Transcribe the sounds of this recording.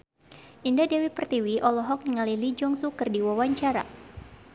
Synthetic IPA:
ʔindadewipərt̪iwiʔɔlɔɦɔk̚ɲəŋalilid͡ʒɔŋsukərdiwawaɲt͡ʃaɾa̰

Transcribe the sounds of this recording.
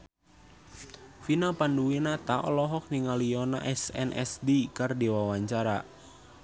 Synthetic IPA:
finapanduwinat̪aʔɔ̰lɔɦɔk̚niŋaliɔna̰ʔɛsɛ̰nʔɛ̰sdikardiwawaɲt͡ʃaɾa

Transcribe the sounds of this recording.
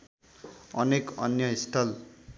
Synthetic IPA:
ʌnekʌnjʌist̪ʰʌl

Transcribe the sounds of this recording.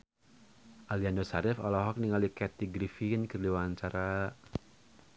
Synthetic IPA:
ʔaliandɔsaɾɪfɔlɔɦɔk̚niŋalikɛt̪iɡɾifinkərliwant͡ʃaɾa

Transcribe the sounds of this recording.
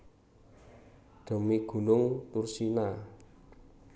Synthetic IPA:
ɖ̪̥o̤miɡ̥ṳnʊŋt̪ursina

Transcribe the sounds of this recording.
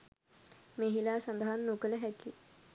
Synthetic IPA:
meɦilaːsand̪aɦanːukələɦæki

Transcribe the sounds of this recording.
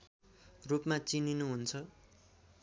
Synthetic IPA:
rupmat͡sininuɦunt͡sʰʌ

